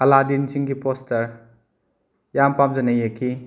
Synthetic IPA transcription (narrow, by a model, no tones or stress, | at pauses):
hɐladinsiŋɡipostɐɾ | jampamzɐnɐjekʰi